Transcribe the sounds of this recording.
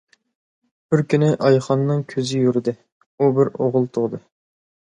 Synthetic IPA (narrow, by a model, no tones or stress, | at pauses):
b̥ɪɾkʲʰynɪʔɑjχɑnːɨŋkʲʰøzɪjyɾɪd̪ɪ | ubɪɾoʁʊlˠt̪ʰʊʁd̪ɨ